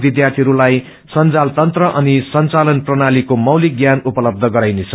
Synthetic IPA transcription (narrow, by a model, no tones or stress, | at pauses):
bid̪jart̪ʰiɾulaj | sʌnt͡salt̪ʌnt̪rʌʔʌnisʌnt͡salʌnprʌnalikomʌwliɡjanupʌlʌb̚d̪ʱʌɡʌɾajnet͡sʰʌ̥